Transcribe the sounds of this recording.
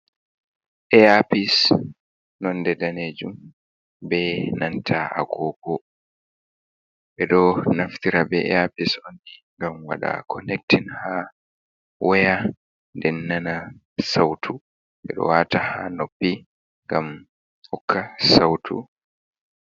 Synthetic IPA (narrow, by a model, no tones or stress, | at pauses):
ʔɛapis | nɔndɛdaned͡ʒum | bɛnantʰaʔa̰ɡɔkɔ | ɓɛɗɔnaftiɾabɛɛ̰apisondiŋɡamwa̰ɗa̰kʰɔnɛk̚tinha | wɛja | ndɛnːana | sawtʰu | ɓɛ̰ɗɔ̰watahanopːi | ŋɡam | hɔkːasawtʰṵ